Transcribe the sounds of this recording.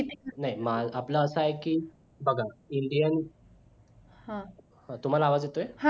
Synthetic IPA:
it̪naɦimalaplaəsəajkiː | bəɡʱaiɳɖijani | hã | hãt̪um̤alaaʋad͡zjet̪ojeha

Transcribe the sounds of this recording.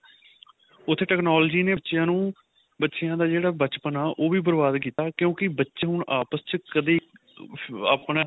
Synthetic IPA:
ʊt̪ʰːeːʈɛːknaːld͡ʒiːneːtːʃjãːnũː | bətːʃejãːd̪aːd͡ʒeːɽaːbət͡ʃpənaːʔoːʋiːbəɾbaːd̪kiːt̪aːkjõːkɪbətːʃeɦʊɳaːpəst͡ʃkəd̪eː | aːpɳaː

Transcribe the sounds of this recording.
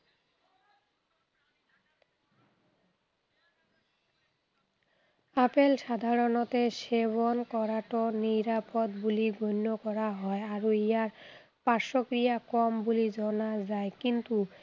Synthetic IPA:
apelʃad̪ʱaɾonot̪eʃeβonkɔɾaʈoniɾapod̪buliɡʱonːokɔɾaɦɔeaɾoijaɾ | paɾʃokɾijakɔmbulid͡ʑɔnad͡ʑaekint̪u

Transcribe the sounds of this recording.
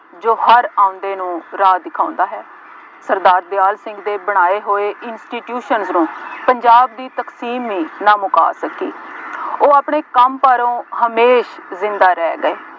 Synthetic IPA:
d͡ʒoːhəɾãːʊ̃nd̪eːnũːɾaːd̪ɪkʰaːʊ̃nd̪aːɦɛː | səɾd̪aːɾd̪ɪjaːlsɪ̃ŋɡd̪eːbəɽ̃aːeːɦoːeːʔɪnsʈiːʈjuːʃənznũːpəɲd͡ʒaːb̚d̪iːt̪əksiːmʋĩːnãːmʊka̰ːsəkḭːoːaːpɳeːkəmpaːɾõːhəmeːʃzɪ̃nd̪aːɾɛːɡəeː

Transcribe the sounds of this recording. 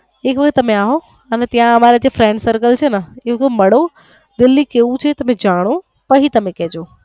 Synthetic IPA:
ɦekʋɐkʰt̪ːɐmẽaːɦo | ɛːnɛt̪ijãɐmaːɾed͡ʑeːfɾɛ̃ːɳɖsɐɾkəlt͡ɕʰeːnɐɪɦokmɐɽo | d̪ɪlːikeːũt͡ɕʰet̪ɐmẽd͡ʑaːɽ̃o | pɐɦit̪ɐmẽkɐɦd͡ʑoː

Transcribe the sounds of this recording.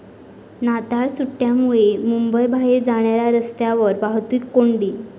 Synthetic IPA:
nat̪aɭsuʈːjamuɭemumbəjbʱaɦiːɾd͡zaɽ̃jɾjaɾəst̪jaʋəɾbaɦt̪ʋiːkːoɳɖiː

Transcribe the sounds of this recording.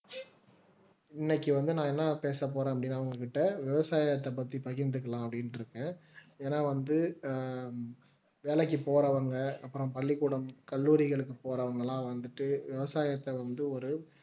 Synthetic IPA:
ɪnːɛkːɯʋɐnd̪ɯnãːɛnːapeːsɐp̬ːoːɾẽːɐpːɐɽɪnːaːɐʋɐŋɡɐkɪʈːɐʋɪʋɐsaːjɐt̪ːɐpɐt̪ːipɐɣɪnd̪ɯkːɐlãːɐpːɐɽɪnɪɾɯkːẽːeːnaːʋɐnd̪ɯ | ʋeːlɛkːɯpoːɾɐʋɐŋɡɐɐpːɯɾɐ̃mpɐɭːɪkːuɽɐmkɐɭːuːɾɪɣɐɭɯkːɯpoːɾɐʋɐŋɡɐɭãːʋɐnd̪ɯʈːɯʋɪʋɐsaːjɐt̪ːɐʋɐnd̪ɯɔɾɯ

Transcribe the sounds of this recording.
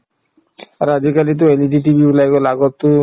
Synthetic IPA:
aɾad͡ʒikalit̪̬oeliʈ̬iʈ̬ibiblajkolaɡɔt̪ːu

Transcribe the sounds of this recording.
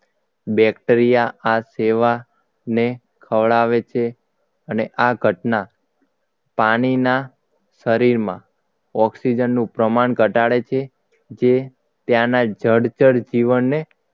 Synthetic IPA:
bɛkʈəɾijaʔaseʋa | ne | kʰəʋɭaʋet͡ʃʰe | əneʔaɡʱəʈna | paɽ̃ina | səɾiɾmã̰ | ɔksid͡ʒənːũpɾəmaɳɡʱəʈaɭet͡ʃʰe | d͡ʒe | t̪jãnad͡ʒəɽd͡ʒəɽd͡ʒiʋənːe

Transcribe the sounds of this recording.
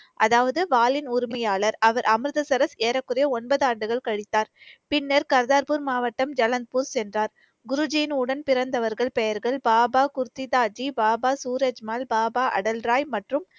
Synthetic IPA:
ʔɐðaːʋɐðɯʋaːlɪnʊɾɪmɐjaːɭɐɾɐʋɐɾʔɐmɾɯðɐsɐɾɐseːɾɐkːɯɾɐjɐɔnbɐðaːɳɖɯɣɐɭkɐɻɪt̪ːaːɾpɪnːɐɾkɐɾðaːɾpuɾmaːʋɐʈːɐmd͡ʒɐlɐnd̪̚puɾsɛndraːɾ | ɡʊɾʊd͡ʒijnʊɽɐnpɪɾɐnd̪ɐʋɐɾɣɐɭpɛjɐɾɣɐɭbaːbaːkʊɾt̪ːɪt̪aːd͡ʒibaːbaːsuːɾed͡ʒmaːlbaːbaːʔɐ̰ɽɐlɾaːjmɐʈrɯm

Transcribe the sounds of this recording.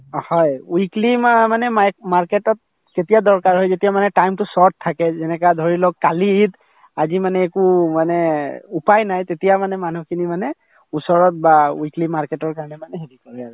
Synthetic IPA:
hɔjwiklimmanɛmaɹketɔt̚ | ketijadɔɹkaɹɦɔjzetijamanɛʈajmtusɔɹt̚t̪ʰːakɛzɛnɛkadʱoɹilɔk̚kalit | azimanɛːkumanɛupajnajt̪etijamanɛmanukʰinimanɛ | usɔɹɔt̚bawiklimaɹketɔɹkaɹɔnɛmanɛɦedikɔɹɛaɹɛ

